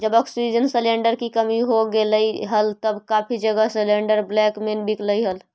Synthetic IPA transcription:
d͡ʒəbəksid͡ʒənsəleɳɖəɾkikəmiɦoɡeləjɦəlt̪əbkapʰid͡ʒəɡasəleɳɖəɾblɛkmenbikləjɦəl

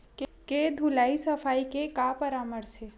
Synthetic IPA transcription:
kked̪ʱulaːisəfʰaːikekapəɾaːməɾse

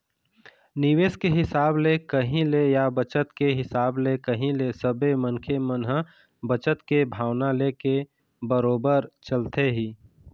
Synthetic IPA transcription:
nɪʋeːskeɦɪsaːblekəɦĩlejabət͡ʃət̪keɦɪsaːblekəɦĩlesəbemənkʰemənɦə | bət͡ʃət̪kebʱaːwnaleke | bəɾoːbəɾt͡ʃəlt̪eɦiː

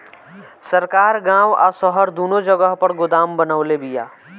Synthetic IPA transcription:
səɾkaːɾɡãːwa̰səɦəɾd̪uːnõd͡ʒəɡəɦpəɽɡʊd̪aːmbənaːlebija̰ː

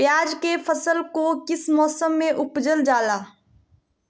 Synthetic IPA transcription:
pjaːd͡ʒkefʰəsəlkokɪsmɔːsəmːẽʔʊpd͡ʒəld͡ʒaːlaː

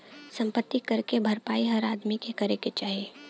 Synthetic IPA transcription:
sɐ̃mpət̪ːikɐɾkebʱɐɾpaːiɦɐɾaːd̪mikekɐɾeket͡ʃaːɦie

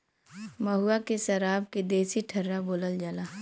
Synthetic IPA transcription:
mɐɦuakesɐɾaːbked̪eːsiʈʰɐɾːaboːləld͡ʒalaː

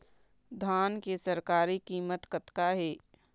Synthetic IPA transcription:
d̪ʱaːnkesəɾkaːɾikiːmət̪kət̪kaɦeː

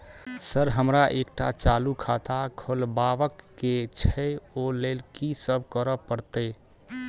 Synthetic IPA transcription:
səɾɦəmɾaʔekʈat͡ʃalukʰat̪akʰolbaʋəkːet͡ʃʰɛolelkisəb̚ʱkəɾəpəɾt̪əɪ

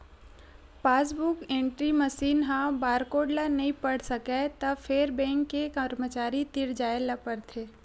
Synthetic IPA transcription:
paːs̬bukẽːɳʈɾiməsiːnɦãbaːɾkoːɖlanɐɦĩpəɽ̤sɐket̪ɐfeːɾbɛ̃ːŋkːekəɾmət͡ʃaːɾit̪ɪɽd͡ʒaːelapəɾt̪ʰeː

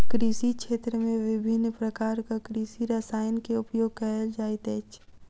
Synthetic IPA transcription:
kɾiːsikʃʰeːt̪ɾəmẽʋɪbʱɪnpɾəkaːɾkakɾiːsiɾasaːjnkeʊpjoːɡ̚kɐɦld͡ʒaːɪt̪ɛːt͡ʃ

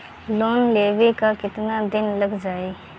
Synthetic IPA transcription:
loːnleːʋekakɪt̪nad̪ɪnləɡd͡ʒaːeː

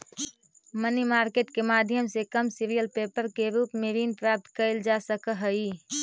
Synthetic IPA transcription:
mənimaːɾkeːʈkemaːd̪ʱjəmsekəmsiɾijəlpeːpəɾkeɾuːpmeɾinpɾaːp̚t̪kəɪld͡ʒasəkɦəi

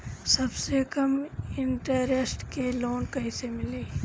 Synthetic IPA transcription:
sɐbsekɐmɪɳʈəɾesʈkeloːnkɐɦĩsemɪleː

